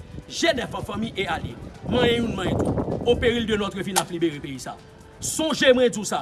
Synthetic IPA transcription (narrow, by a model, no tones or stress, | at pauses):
ʒenɛvãfãmĩʔealjḛmɐ̃jɛ̃jũnmãjẽt̪uopeɣildønɔt̪wøvĩnaplibeɣepeisa̰ | sɔ̃ʒemwɛ̃d͡zũsa